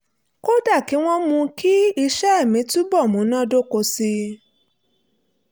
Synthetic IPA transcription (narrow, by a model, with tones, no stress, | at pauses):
ko˦da˦˨ki˨˦w̃ɔ̃˦mũ˧ki˦i˧ʃɛ˦e˦˨mĩ˨˦tu˦bɔ˦˨mũ˨˦nã˦do˦ko˧si˧